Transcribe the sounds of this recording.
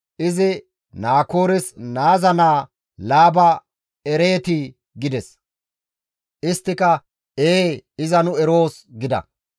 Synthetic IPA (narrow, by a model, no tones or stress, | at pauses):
ʔɪzɪ | naːkoːɾɪsnaːzɐnaː | laːbɐ | ɛɾe̞ːt̪i | ɡɪd̪ɛs | ʔɪst̪ːɪkɐ | eːɪzɐnʊɛɾo̞ːsɡɪd̪ɐ̰